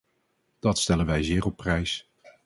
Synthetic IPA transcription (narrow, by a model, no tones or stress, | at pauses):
d̥ɑtstɛlənʋɛjzɪːrɔpːrɛjs